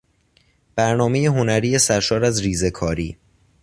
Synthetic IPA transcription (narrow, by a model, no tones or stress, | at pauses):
b̥æɾnɒːmejeɦo̞næɾiːjesæɾʃɒːɾæzɾiːzekʰɒːɾiː